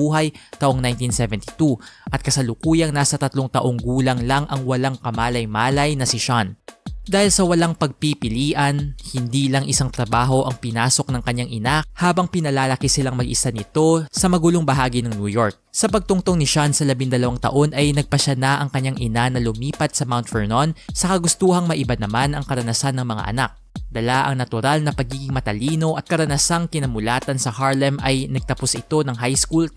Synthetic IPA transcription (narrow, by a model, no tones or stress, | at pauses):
uːɦɐjt̪ɐʔoŋnajnt̪insɛvɛnt̪i̥t̪uʔɐt̪̚kɐsɐlʊkuːjɐŋnasɐt̪ɐt̪loŋt̪ɐʔo̞ŋɡuːlɐŋlɐŋʔɐŋwɐlaŋkɐmaːlɐjmaːlɐjnɐsɪʃand̪aːhɪlsɐwɐlaŋpɐɡ̚pipɪliːʔɐnhɪnd̪iːlɐŋʔɪsaŋt̪ɾɐbaːɦo̞ʔɐŋpɪnaːso̞k̚nɐŋkɐɲːaŋʔɪnahaːbɐŋpɪnɐlaːlɐkisɪlaŋmɐɡʔɪsanɪt̪o̞sɐmɐɡuːloŋbɐɦaːɡinɐŋnujo̞ɹk̚sɐpɐɡ̚t̪ʊŋt̪oŋnɪʃansɐlɐbɪŋd̪ɐlɐwaŋt̪ɐ̰ʔo̞nʔɐjnɐɡ̚pɐʃanaʔɐŋkɐɲːaŋʔɪnanɐlʊmiːpɐt̪̚sɐmawnt̪fɛɹnonsɐkɐɡʊst̪uːhɐŋmɐʔɪbanɐmanɐŋkɐɾɐnɐsanɐŋmɐŋa̰ʔɐ̰nak̚d̪ɐlaʔɐ̰ŋnɐt̪ʊɾalnɐpɐɡiːɡɪŋmɐt̪ɐliːno̞ʔɐt̪̚kɐɾɐnɐsaŋkɪnɐmʊlaːt̪ɐnsɐhaɹlɛmɐjnɐɡ̚t̪ɐposɪt̪o̞nɐŋɦajskul